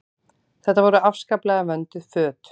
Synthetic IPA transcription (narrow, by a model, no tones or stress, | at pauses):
θɛht̪ːavɔɾʏafskaplɛɣavœnt̪ʏfœːt̪